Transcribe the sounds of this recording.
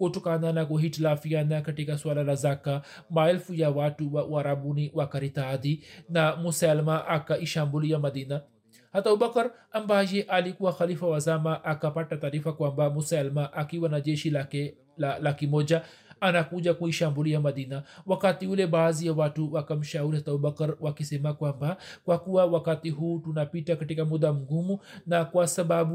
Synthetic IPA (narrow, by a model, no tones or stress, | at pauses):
kutɔkananakuɦitilafianakatikaswalalazaka | maɛlfujawatuwawaɾabuniwakaɾitaðinamusaalmaʔakaʔiʃambuliamaðina | hataubakaɾ | ambajɛʔalikuwaxalifawazamaʔakapatataːɾifakwambamusalmaʔakiwanaʄɛʃi | alakimɔd͡ʒa | anakud͡ʒakuiʃambulijamɐd̪inawakatiulebaːzijawatuwakam̩ʃauɾihat̪aubɐkɾwakisɛmakwambakwakuwawakat̪iɦuːtunapitakatikamud̪amuɡumunakwasɐbabu